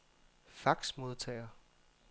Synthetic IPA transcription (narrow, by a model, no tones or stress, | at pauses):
fɑɡ̥smo̝ð̞ˠt͡sʰɛ̰ɪɐ